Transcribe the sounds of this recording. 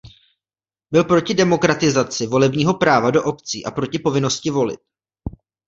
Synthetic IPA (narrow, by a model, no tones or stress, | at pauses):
bɪlpɾo̞cɪdɛmo̞kɾat̪ɪzat͡sɪvo̞lɛbɲiːɦo̞pɾaːvado̞ʔo̞pt͡sḭːʔapɾo̞cɪpo̞vɪno̞scɪvo̞lɪ̰t̪̚